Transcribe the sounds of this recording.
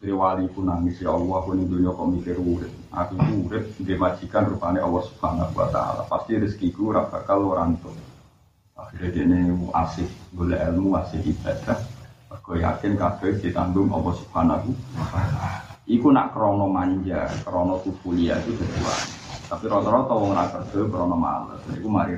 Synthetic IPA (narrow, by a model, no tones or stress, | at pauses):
k̪ɾiwalikunaŋisiɔwwakunɪŋd̪uɲɔkɔʔmikɪrwuɾɪt̪̚a̰kukuwuɾɪt̪̚ndimḁd͡ʒ̥i̤kanrupaneʔɔlːɔhsu̥b̥hanahua̰t̪a̰la̰past̪iɾɪskikuɾap̚ɡa̰kaloɾant̪ʊ | akd̥ad̥eʔneuʔa̰sɪhɡolɛʔɛlmuasɪhib̥ad̪aərɡ̥ɔja̰kɪnkaɡ̥əd̥it̪andʊŋɔ̰lɔsub̥hana̰ɦuwaat̪alaikuna̰ʔkəɾɔnɔmaɲd͡ʒakəɾɔnɔk̪ufuliat̪ud̥a̤t̪ua̰nt̪apiɾɔt̪ɔɾɔt̪ɔwɔŋnakərɡəbəɾɔnɔma̰lə̰snaikumaɾi